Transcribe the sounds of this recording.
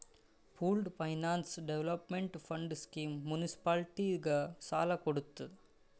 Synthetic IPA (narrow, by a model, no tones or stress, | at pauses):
pʰuːlɖpʰɐjnaːnsɖeʋlɐpmeɳʈpɐɳɖskiːmːunisi̥paːlʈiɡɐsaːlɐkɔɽɯt̪ːu